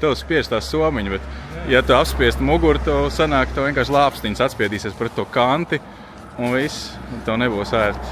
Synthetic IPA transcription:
t̪ɛwspiɛst̪aːsuɔmiɲbɛt̪jat̪uapspiɛst̪muɡuɾt̪usanaːkt̪aviɛŋkaːɾʃlˠɑːpst̪iɲsat̪spʲiɛd̪iːsiɛspɾɛt̪ːuɔkant̪i | unvist̪ɛwnɛbuːwsæːɾt̪

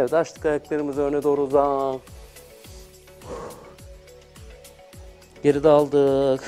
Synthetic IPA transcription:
ɛvd̪aʃt̪ɯ̥kajaklˠeɾɯmɯzønɛd̪oːɾuza | ɟeɾid̪ɛalˠd̪ɯː

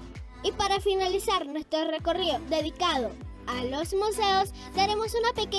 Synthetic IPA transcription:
ipaɾafinalisaɾnwe̞st̪ɾore̞ko̞rioðe̞ð̞ikaðo̞ | alo̞zmuse̞os | d̪aɾe̞mo̞sunape̞ke

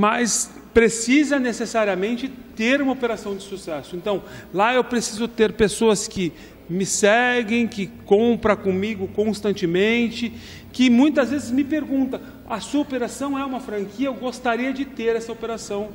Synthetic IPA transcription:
mɐs | pɾesizɐnesesaɾiɐmẽnt͡ʃɪt̪eɾũmɐopeɾasɐ̃w̃d͡ʒɪsusɛsʊẽnt̪ɐ̃w̃laewpɾesizʊt̪eɾpesoɐskɪ | mɪsɛɡẽj̃kɪkõpɾɐkõmiɡʊkõst̪ɐ̃nt͡ʃɪmẽnt͡ʃɪ | kɪmũj̃t̪ɐzvezɪzmɪpeɾɡũnt̪ɐ̃ | ɐsuɐopeɾasɐ̃w̃ɛũmɐfɾɐ̃ŋkiɐewɡost̪aɾiɐd͡ʒɪt̪eɾɛsɐopeɾasɐ̃w̃

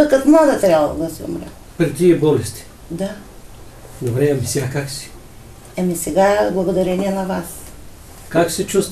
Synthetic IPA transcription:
okɐt̪mad̪ɐt̪ɾʲabllˠo̰d̪ɐsiṵmɾɛ̰ | pɾit̪iɛbɔlɛst̪i̥ | d̪a | d̪obɾɛɐmisɛakaksi̥ | ɛmisɛɡablˠɐɡod̪ɐɾɛniɛnɐvas | kaksɛt͡ʃust̪

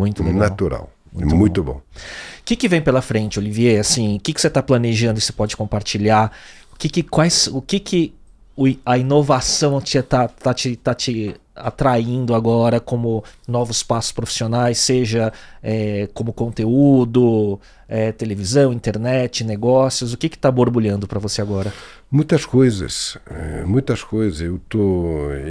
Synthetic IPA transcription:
mũj̃t̪ʊbnãt̪uɾa̰wmũmũj̃bt̪ʊbõ̰kɪkɪvẽj̃pelɐfɾẽnt͡ʃɪolivieasĩʊkɪkɪ̥set̪aplɐneʒɐ̃nd̪ʊɪse̥pɔd͡ʒɪkõpaɾt͡ʃiʎaɾ | ʊkɪkɪkwajsʊkɪkʰɪ | ʊiɐinovasɐ̃w̃ɐt͡ʃit̪at̪at͡ʃɪt̪at͡ʃɪa̰t̪ɾaĩnd̪ʊaɡɔɾɐkõmʊnɔvʊspasʊ̥spɾofi̥sionajsːeʒɐɛkõmʊkõnt̪eud̪ʊ | ɛt̪elevizɐ̃w̃ĩnt̪eɾnɛt͡ʃɪneɡɔsiʊsʊkɪkɪ̥t̪aboɾbuʎɐ̃nd̪ʊpɾɐvoseaɡɔɾɐ | mũj̃t̪ɐskojzɐ̰sɛ̰mũj̃t̪ɐskojzɐzewt̪o

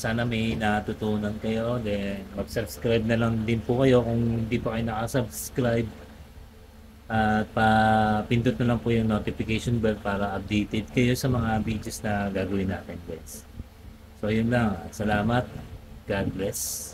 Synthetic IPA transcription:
saːnɐmɐjnat̪ʊt̪uːnɐnkɐjo̞d̪ɛnmɐɡsɐbskɾajb̚nɐlɐŋd̪ɪnpʊkɐjo̞kʊŋhɪnd̪iːpɐkɐjonɐkɐsɐbskɾajb̚ | ʔɐt̪̚pɐpɪnt̪ʊt̪nɐlɐŋpʊjʊŋnot̪ɪfɪkejʃonbɛlt̪̚paːɾɐʔɐp̚d̪ejt̪ɛd̪̚kɐjo̞sɐmɐŋabid͡ʒɛsnɐɡaːɡɐwɪnːaːt̪ɛnɡɛs | so̞ʔɐjʊnlaŋɐ̰t̪sɐlaːmɐt̪̚ɡ̥ad̪̚blɛs

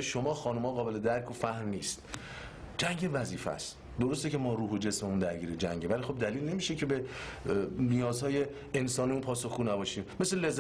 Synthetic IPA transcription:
ʃomɒːxɒːnomɒːɣɒːbe̞le̞d̪æɾkʰofæhmniːst̪̚ | d͡ʒæŋɟe̞væziːfæ̰st̪ | d̪o̞ɾost̪ecʰe̞mɒːɾuːɦod͡ʒe̞smemund̪æɾɡiːɾed͡ʒæŋɟevælixo̞b̚d̪æliːlne̞miːʃecʰe̞be | nijɒːzhɒːje̞ː | nsɒːnimunpʰɒːso̞xɡuːnæbɒːʃiːmme̞sele̞zː

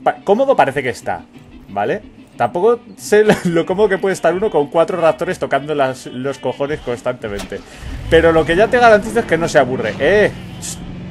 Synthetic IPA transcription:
pko̞mo̞ðo̞paɾe̞θeke̞ːst̪a̰bale̞ | t̪ampo̞ko̞se̞lo̞ko̞mo̞ðoke̞pweðest̪aɾuno̞ko̞ŋkwat̪ɾorak̚t̪o̞ɾe̞st̪o̞kand̪olaslo̞sko̞xo̞ne̞sko̞nst̪ant̪e̞mẽ̞nt̪e̞ | pe̞ɾo̞lo̞ke̞ʝat̪e̞ɣ̞aɾant̪iθoeske̞no̞seaβ̞ure̞̰ʔe

